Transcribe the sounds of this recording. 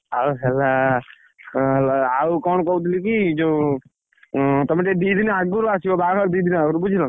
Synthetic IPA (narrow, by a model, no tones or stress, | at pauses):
aɦɛlːa | laaukɔːɳkɔut̪̬ʰlikid͡ʒo | t̪ɐmʈed̪iːd̪inaɡuɾasiobaːkad̪id̪ʱinaɡuɾubud͡ʒʱilã